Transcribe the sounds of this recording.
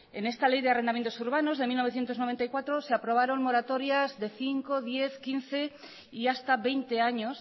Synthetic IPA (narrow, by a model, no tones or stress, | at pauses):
ene̞st̪ale̞jðearend̪amjent̪o̞suɾβ̞ano̞zðe̞milno̞βe̞θje̞nt̪onoent̪ajkwat̪ɾoseapɾo̞β̞aɾo̞ŋmo̞ɾat̪o̞ɾjazðe̞θiŋko̞ðje̞θkinθe̞ | iast̪aβe̞jnt̪e̞aɲo̞s